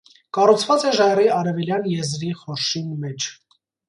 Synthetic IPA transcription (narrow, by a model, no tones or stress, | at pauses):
kɑrut͡sʰvɑt͡sɛʒɑjriɑɾɛvɛljɑnjɛzɾiχɔɾʃinmɛt͡ʃʰ